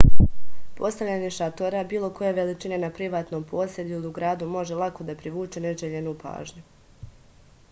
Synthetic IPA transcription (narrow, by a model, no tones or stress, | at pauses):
po̞st̪aʋʎaɲe̞ʃat̪oɾabiːlˠo̞ko̞je̞ʋe̞lit͡ʃine̞napɾiʋaːt̪no̞mpʰo̞sjed̪uliuɡɾaːd̪umo̞ʒelˠako̞d̪apɾiʋuːt͡ʃeneʒeʎenupa̰ːʒɲu